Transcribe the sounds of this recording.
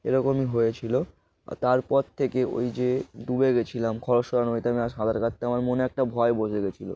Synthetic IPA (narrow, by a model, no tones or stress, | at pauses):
ḛɾɔkomiɦojet͡ɕʰilo | t̪aɾpɔɾt̪ʰekeo̰jd͡ʑed̪ubeɡet͡ɕʰilamkʰɔɾoʃɔɾanoit̪eamiaʃɦad̪ʱaɾkat̪ːeamaɾmoneɛk̚ʈabʱɔeboʃeɡet͡ɕʰilo̰